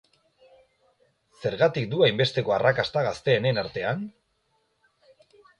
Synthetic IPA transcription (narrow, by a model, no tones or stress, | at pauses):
se̞ɾɣat̪ik̚d̪uajmbe̞st̪e̞ko̞arakast̪aɣast̪e̞ːnenaɾt̪e̞an